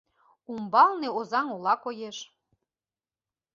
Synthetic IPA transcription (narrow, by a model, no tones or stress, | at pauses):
umbɑlneozɑŋolɑkojeʃ